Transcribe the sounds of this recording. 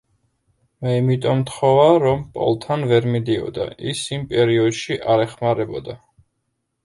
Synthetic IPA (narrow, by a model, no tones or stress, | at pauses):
mɛimit̪ʼɔmt̪χɔvaɾɔmpʼɔ̰lˠt̪ʰanvɛɾmid̪iɔ̰d̪a̰ʔḭsimpʼɛɾiɔd̪ʃiʔaɾɛχmaɾɛbɔd̪a